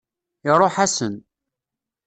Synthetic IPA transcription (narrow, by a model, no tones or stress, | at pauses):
ɪrˤːoħasən